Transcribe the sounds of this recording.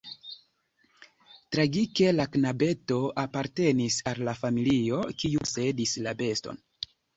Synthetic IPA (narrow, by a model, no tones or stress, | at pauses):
tɾaɡike̞laknabe̞to̞apaɾte̞nisalːafamilio̞kiuse̞dislabe̞sto̞̰n